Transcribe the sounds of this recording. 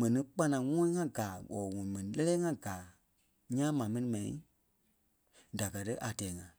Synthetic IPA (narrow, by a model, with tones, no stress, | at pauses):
mɛ̃˨nĩ˧˦k͡pa˧nã˨ŋɔ̃˦ĩ˦ŋã˦ɡaː˨ɔ˨ŋɔ̃˨ĩ˨mɛ̃˨nĩ˨lɛ˦lɛː˦ŋã˦ɡaː˨ | ɲãː˦mãː˨mɛ̃˦nĩ˧˦mɛ̃˨ḭ̃˦ | da˨kɜ˨tə˦ʔa˨tɛː˨˦ŋã˨